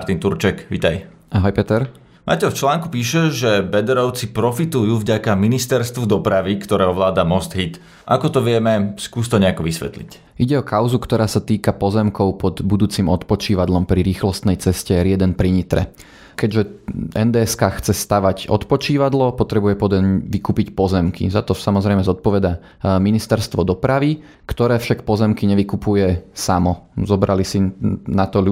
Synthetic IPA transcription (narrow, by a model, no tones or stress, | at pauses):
ɾt̪int̪uɾt͡ʃɛkʋḭt̪aj | aɦɔjpɛt̪ɛɾ | ma̰cɛft͡ʃlaːŋkupiːʃɛʒɛbɛd̪ɛɾɔʊt͡sipɾɔfit̪ujuvɟakaminist̪ɛɾst̪ʋud̪ɔpɾaʋikt̪ɔɾɛːɦɔʋlaːd̪amɔst̪ɦit̪ | ʔakɔt̪ɔʋɪɛmɛskuːst̪ɔɲɛakɔʋisʋɛ̰t̪lḭc | ʔiɟɛɔkaʊzukt̪ɔɾʔaːsat̪iːkapɔzɛmkɔʊpɔd̪bud̪uːt͡siːmɔt̪pɔt͡ʃiːʋad̪lɔmpɾiɾiːxlɔst̪nɛjt͡sɛscɛɾɛd̪ɛnpɾiɲit̪ɾɛ̰ | kɛɟʒɛɛnd̪ɛːɛskaːxt͡sɛst̪aʋaɟɔ̰t̪pɔt͡ʃiːʋad̪lɔpɔt̪ɾɛbujɛpɔd̪ɛʋikuːpicpɔzɛmkḭzat̪ɔsamɔzɾɛɪmɛzɔt̪̚pɔʋɛd̪a | minist̪ɛɾst̪ʋɔd̪ɔpɾaʋi | kt̪ɔɾɛːfʃakpɔzɛmkiɲɛʋikupujɛsamɔzɔbɾʔalisinat̪ɔl